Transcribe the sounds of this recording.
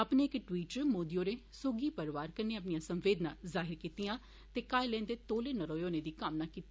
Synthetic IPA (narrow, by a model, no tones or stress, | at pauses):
əpneːɪkʈʋiːʈt͡ʃmoːd̪ijoːɾeːsoɡiːpəɾʋaːɾkəneːəp̬nijãːsəmʋeːd̪nãːzaːɦɪɾkiːt̪ɪjãː | t̪eːkaːelɛ̃ːnd̪eːt̪oːleːnəɾoːjoːneːd̪iːkəmnaːkiːt̪